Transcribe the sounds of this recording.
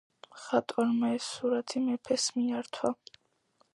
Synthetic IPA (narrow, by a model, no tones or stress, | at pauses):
χat̪ʼwaɾmaɛsːuɾat̪ʰimɛpʰɛsmiaɾt̪ʰwa